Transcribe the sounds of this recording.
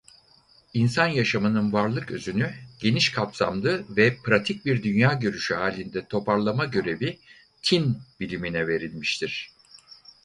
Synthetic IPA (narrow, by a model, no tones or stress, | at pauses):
insanjaʃamɯnɯnvaɾlˠɯkø̰zynyɟ̥e̞niʃkʰapsa̰md̪ˠɯvɛpɾat̪ʰic̚biɾd̪ynjaːɟø̞ɾyʃyɦaːlʲind̪ɛt̪ʰo̞pʰaɾlˠamaɟø̞ɾe̞bi | t̪ʰinbilʲiminɛve̞ɾilʲmiʃt̪ʰiɾ̥